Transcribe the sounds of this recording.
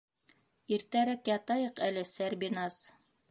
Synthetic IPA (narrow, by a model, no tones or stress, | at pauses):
iɾt̪æɾækjɑt̪ɑjɤqælɘsæɾbʲinɑs